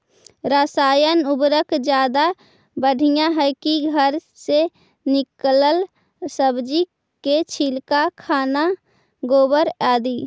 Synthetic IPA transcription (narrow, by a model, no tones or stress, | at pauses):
ɾasaːjənʊbɾəkd͡ʒjaːd̪a | bəɽʱijãɦɛkiɡʱəɾ | se | nɪkləl | səbd͡ʒi | ket͡ʃʰilkakʰaːna | ɡoːbəɾaːd̪iː